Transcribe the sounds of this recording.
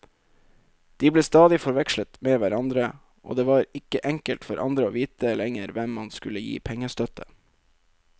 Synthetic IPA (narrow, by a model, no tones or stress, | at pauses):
d̪̥iːbleːst̪ɑːd̪ɪfɔɾʋɛkʃlət̪meːʋæɾɑnd̪ɾə | ʔo̰ːd̪eːʋɑːɾɪkəʔɛŋkəlt̪fɔɾʔɑ̰nd̪ɾəoːʋiːt̪əlɛŋəɾʋɛmːɑnskʉləjḭːpʰɛŋːəst̪œt̪ʰə